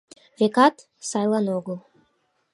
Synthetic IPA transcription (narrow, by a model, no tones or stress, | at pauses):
vekɑt̪ | sɑjlˠɑnoɡo